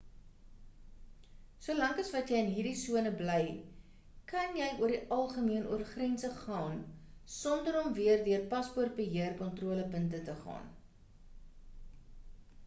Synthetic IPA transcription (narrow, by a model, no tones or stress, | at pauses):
suəlɐŋkɐsvɐtjɛjənɦiːrdisuənəblɛj | kɐnjɛjuərdiʔɐlˠχəmiənuərχrɛnsəχɑːnsɔndəɾɔmviərdøərpɐsport̚bəɦiərkɔntruələpəntətəχɑ̰ːn